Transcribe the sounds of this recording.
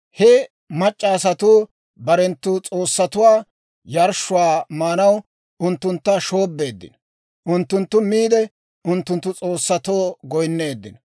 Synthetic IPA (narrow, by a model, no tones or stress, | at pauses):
hɛ | mɐt͡ʃʼːaːsɐt̪uː | bɐɾɛnt̪ːuːt͡sʼo̞ːsːɐt̪ʊwaː | jɐɾʃːʊwaːmaːnɐw | ʊnt̪ːʊnt̪ːɐʃo̞ːbːe̞ːd̪ːɪ̰n | ʔʊnt̪ːʊnt̪ːʊmiːd̪ɛ | ʊnt̪ːʊnt̪ːʊt͡sʼo̞ːsːɐt̪oːɡɔjnːe̞ːd̪ːɪn